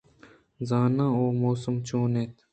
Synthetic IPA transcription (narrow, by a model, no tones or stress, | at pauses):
zaːnãːoːmoːsəmt͡ʃoːneːt̪ʰ